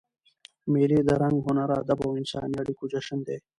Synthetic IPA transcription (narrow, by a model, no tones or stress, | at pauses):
meliːd̪əɾaŋɡɦʊnaɾa̰ːd̪abawɪnsɑ̰ːnjaɽikud͡ʒɐʂənd̪eː